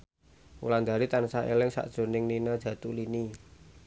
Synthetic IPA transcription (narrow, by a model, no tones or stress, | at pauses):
ṵland̪aɾit̪ansaʔḛlɪŋsa̰ʔd̥ʒ̥o̤nɪŋninad̥ʒ̥ä̤t̪ulini